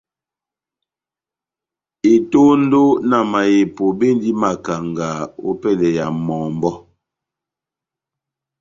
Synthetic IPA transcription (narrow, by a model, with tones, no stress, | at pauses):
e˨to˦n̩˦do˦na˨ma˨je˨po˨be˦n˦di˦ma˨ka˨ŋɡa˨o̰˦pɛ˦˨lɛ˨ja˨mɔː˨m˦bɔ˦